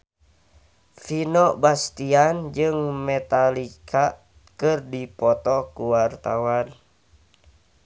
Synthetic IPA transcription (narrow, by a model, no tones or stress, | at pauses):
finɔbast̪iand͡ʒɨŋmɛt̪alikʰa | kɨrdipɔt̪ɔkuwart̪awan